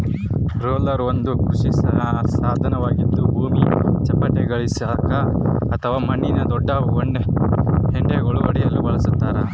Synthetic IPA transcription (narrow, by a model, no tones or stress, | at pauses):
ɾoːlɐɾond̪ukɾuʂisɐɐsaːd̪ʱɐnɐʋaːɡid̪ːubʱuːmit͡ʃɐpːɐʈːeɡɐɭisiɦakɐɐt̪ʰɐʋaːmɐɳːinɐd̪ɔɖːɐɔɳɖeɦeɳɖeɡɔɭuʋɐɽijɐlːibɐɭɐsut̪ːaːɾɐ